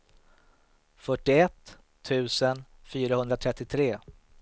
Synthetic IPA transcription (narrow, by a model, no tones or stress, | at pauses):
fœʈːɪɛt̪ʰː | ʉ̟ːsənfyːɾahɵnd̪ɾat̪ʰɾɛt̪ːɪt̪ʰɾeː